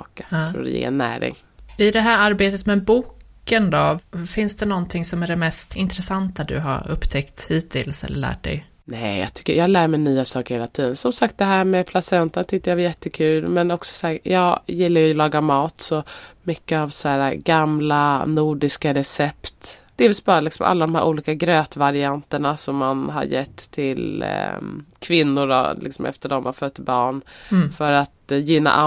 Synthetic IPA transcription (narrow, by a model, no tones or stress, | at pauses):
ka̰ːd̪̰jḛːɛ̰nːæ̰ːɾɪ̰ŋ | ɪd̪ɛɦæːɾaɾbeːt̪ət̪mɛbuːk | ənd̪ɔfɪnsd̪ɛnɔnt̪ʰɪŋsɔmæɖɛmɛst̪ɪnt̪ɾɛsant̪ad̪ɵ̰ɦa̰ɾɵ̰pːt̪ʰɛkt̪hiːt̪ʰɪlsɛ̰lːə̰ɭæ̰ːʈ̚d̪ɛ̰j | nɛjɑ̰ːt̪ʰʏ̥kːəɾjɑːhalæːɾmɛjnyːasɑːkəɾheːlat̪ʰiːd̪ənsɔmsakt̪̚d̪ɛɦæːɾmɛpʰlasɛnt̪ənt̪ʰʏk̚t̪ːəɾjavajɛt̪ːəkʰʉːlmɛnɔksɔ̥saːjɑːɡjɪlːaɾjjlɑːɡamɑːt̪sɔmʏkːəavsæːɾaɡamlanuːɖɪskaɾɛsɛpt̪d̪̥ɛvɪsbɑːɾalɪksɔ̰mʔa̰lːad̪ɔmhæ̰ɾʔuːliːkaɡɾøːt̪vaɾɪant̪əɳasɔmːanɦa̰ɾjɛt̪ʰːɪl | kʰvɪnːʊɖɔ̰lɪ̰ksɔ̰mɛ̰ft̪əɖɔmaɾfœt̪ːɪbɑːɳfœɾat̪jʏnːa̰ʔa